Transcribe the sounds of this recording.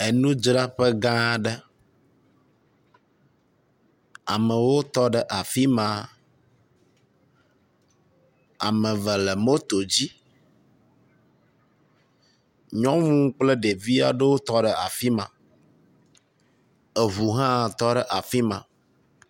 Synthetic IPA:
e˨nũ˦d͡ʒɾa˦ɸɛ˦ɡã˦ɖɛ˦ | a̰˨mə̃˨wo˦t̪ɔ˦ɖɛ˨ʔa˨fi˦mã˨ | a̰˨mə̃˨və˨lɛ˨mo˦t̪o˨d͡ʑi˦ | ɲɔ̃˦ŋũ˦k͡plɛ˦ɖe˨vi˦a̰˨ɖə˦wo˦t̪ɔ˦ɖɛ˨a̰˨fi˦mã̰˨ | ɛ˨βu˨ɦã˦t̪ɔ˦ɖɛ˦ʔa˨fi˦mã̰˨

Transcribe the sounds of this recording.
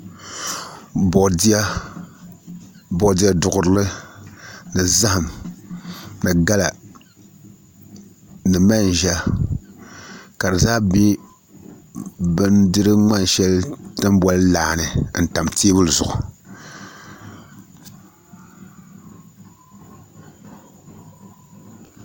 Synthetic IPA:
bo˨di˦a˦ | bɔ˨di˦a˦dʊ˨ɡʊ˨ɾɨ˨lɨ˦ | nɨ˨za˦hɨ˨m | nɨ˨ɡa˦la˨ | nɨ˨ma˦n˨ʒa˦ | ka˨dɨ˨zaː˦bi˦ | bɨ˦ndɨ˦ɾɨ˦ŋ͡ma˦n˨ʃɛ˦ltɨ˦mbɔ˦llaː˨nɨ˨n̩˨ta˨mteː˦bɨ˦lɨ˨zʊ˨ʔʊ˨

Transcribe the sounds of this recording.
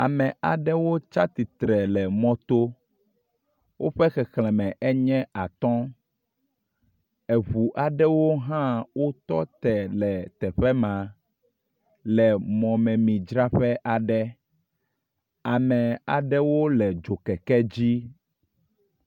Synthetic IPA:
a˨mɛ̃˨a˨ɖɛ˦wo˦t͡ʃa˦t̪i˨t̪ɾɛ˨lɛ˨mɔ̃˦t̪o˦ | wʔo˦ɸɛ˦xɛ˨xlɛ̃˨mɛ̃˨ʔɛ˦ɲɛ̃˦a˨t̪ɔ̃˦ | ɛ˨βu˨ʔa˨ɖɛ˦wo˦ɦã˦wo˦t̪ɔ̰˦t̪ɛ˨lɛ˨t̪ɛ˨ɸɛ˦mã˨ | lɛ˨mɔ̃˨mɛ̃˨mĩ˨d͡ʒɾa˦ɸɛ˦ʔa˨ɖɛ˦ | a˨mɛ̃˨a˨ɖɛ˦wo˦lɛ˨d͡ʒo˨kɛ˨kɛ˦d͡ʑi˦

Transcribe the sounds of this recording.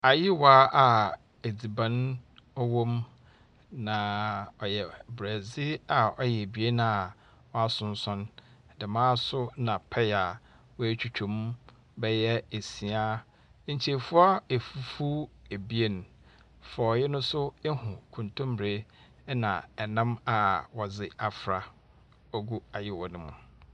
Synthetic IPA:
a˨jɪ˦wa˦a˨ | e˨d͡zi˨bã˦n | ɔ˦wõ˦m | nã˨ɔ˨jɛ˨bɾæ˨zɪ˦a˨ɔ˦jɛ˨bi˨˦e˦n˦˨ | ɔ˦a˦sʊ̃˨n̩˦sɔ̃˦n˨ | dɪ˨mãː˦sʊ˦nã˨pʰɛ˦ja˨ | wɔ˦æ˦t͡ɕʰᶣu˦t͡ɕᶣʰũ˨m | bɛ˦jɛ˦e˨si˨a˦ | ɲ̩˨t͡ɕʰe˨fʊ˦ɔ˦e˨fu˦fu˦e˨bi˦e˦n˨ | fɔ˨jɪ˦nʊ̃˦sʊ˦e˦hʊ̃˨kʰũ˨ntʰʊ̃˦m˦bɾe˦ | nã̰˨ɛ˨nã˦ma˨wɔ˨zɪ˨a˨fɾa˨ | ɔ˦ɡu˦a˨jɪ˦wɔ˨nʊ̃˦mʊ̃˨

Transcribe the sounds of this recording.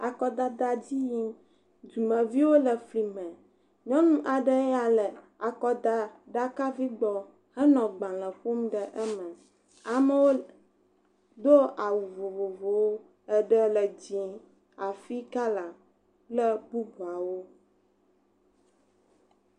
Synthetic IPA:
a˨kɔ˦d̪a˨d̪a˨d͡ʑi˦ji˦m | d̪u˨mə̃˨vi˦wo˦lə˨fli˨mə̃˨ | ɲɔ̃˦nũ˦ʔa˨ɖə˦a˨lə˨ | a˨kɔ˨d̪a˨ɖa˦ka˦vi˦ɡ͡bɔ˨ | hə˦nɔ̃˨ɡ͡bã˨lə̃˨ɸo˦mɖə˨ʔə˦mə̃˨ | a˨mə˦wo˦ | d̪o˦a˨wu˨vo˨vo˨vo˨wo˦ | ə˦ɖə˦lə˨d͡ʑĩ˨ | a˨fi˦ka˦la˨ | lə˦bu˦bu˨a˨wo˦

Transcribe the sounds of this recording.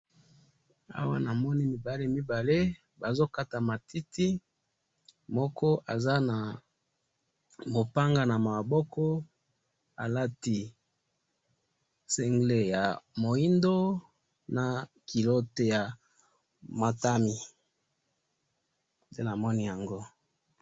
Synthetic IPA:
a̰˦wa˦na˨mɔ˦ni˦mi˨ba˨le˦mi˦ba˨le˦ | ba˨zo˦ka˦ta˨ma˨tʰi˦tʰi˦ | mɔ˦kɔ˦ʔa˨za˦na˨ | bo˨pa˦ŋɡa˦na˨ma˨bɔ˦kɔ˦ | a̰˨la˦ti˨ | se˦ŋɡle˦ja˨mo˨i˦ndo˦ | na˨ki˨lo˦te˨ja˨ | ma˨ta˦mi˨ | nde˦na˨mɔ˦ni˦ja˨ŋɡo˦

